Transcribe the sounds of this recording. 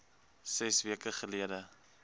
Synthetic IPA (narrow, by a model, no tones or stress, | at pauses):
sɛsviəkəχəliədə